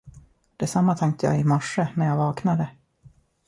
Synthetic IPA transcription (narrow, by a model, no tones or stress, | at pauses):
d̪̥ɛsamːat̪ʰɛŋk̚t̪əjɑ̰ːɪmɔʂːənæɾjɑːvɑːknad̪ə